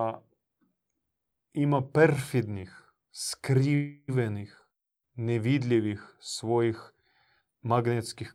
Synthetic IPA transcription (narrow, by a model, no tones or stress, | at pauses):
imapɛɾfid̪nix | skɾiʋɛnix | nɛʋid̪lʲiʋixsʋojix | maɡnet̪skix